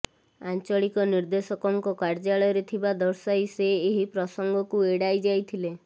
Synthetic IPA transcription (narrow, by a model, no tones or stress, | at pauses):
ant͡ʃɔɭikɔniɾd̪esɔkɔŋkɔkaɾd͡ʒaɭɔjɔɾet̪ʰibad̪ɔɾsajseːɦipɾɔsɔŋɡɔkueɽajd͡ʒajt̪ʰile